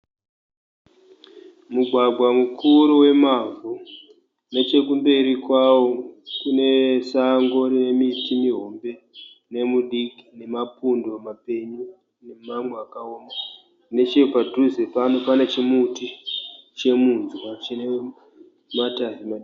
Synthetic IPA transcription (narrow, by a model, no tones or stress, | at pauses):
muɡʱwaɡʱwamukʰuɾuwe̞mavu | ne̞t͡ʃe̞k̬umbe̞ɾikwawo̞kune̞saŋɡo̞ɾine̞mitimiɦo̞mbe̞ | ne̞muɗiki̥ne̞mapundo̞mape̞ɲu | ne̞mamweakaoːma | ne̞t͡ʃepadʱuzepanopane̞t͡ʃemutit͡ʃe̞munzwat͡ʃine | mataɦimaɗi